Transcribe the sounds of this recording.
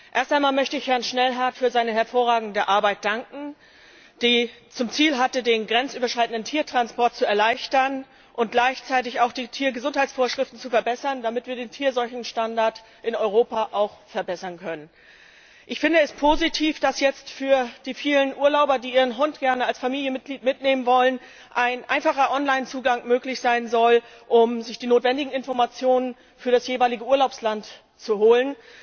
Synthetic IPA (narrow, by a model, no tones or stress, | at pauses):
ʔeːɐstaɪnmaːlmœçtəɪçhɛɐnʃnɛlɦaɐtfyːɐzaɪnəhɛɐfoːʁaːɡŋ̩dəʔaɐbaɪt̚d̥aŋkŋ̩ | d̥ɛːt͡sʊmt͡siːlɦatədeːnɡʁɛnt͡sʔyːbɐʃʁ̥aɪtn̩dən̩tʰiːɐtʁ̥anspɔɐt̚t͡suɛɐlaɪçtɐn | ʔʊnt̚ɡ̥laɪçt͡saɪtɪçaʊxd̥iːtʰiːɐɡəzʊnthaɪt͡sfoːɐʃʁ̥ɪftn̩t͡sufɛɐbɛsɐnd̥amɪtv̥iːɐdeːntʰiːɐzɔlçn̩ʃtandaɐt | ʔɪnɔʏʁ̞oːpaʔaʊxfɛɐbɛsɐnkʰœnən | ʔɪçfɪndəɛspʰoːzitʰiːfd̥asjɛt͡stfyːɐd̥iːfiːlənʔuːɐlaʊbɐdiːʔiːʁ̞ənɦʊntɡ̥ɛɐnəalsfamiːljənmɪt̚ɡ̥liːtmɪtneːmənvɔlən | ʔaɪnʔa̰ɪnfaχɐʔɔnlaɪnt͡suːɡaŋmøːklɪçz̥aɪnzɔl | ʔʊmzɪçd̥iːnoːtv̥ɛndɪɡŋ̩ɪnfɔɐmat͡sjoːnən | fyːɐdasjeːvaɪlɪɡəuːɐlaʊpslant | t͡suɦoːlən